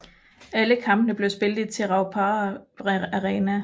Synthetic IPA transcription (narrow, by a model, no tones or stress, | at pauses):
æləkʰɑ̈m̰b̥ənəb̥le̝ʊsb̥e̝ld̩ˠt͡sʰe̝lʁɑ̈ʊpʰɑ | æʁeːnæ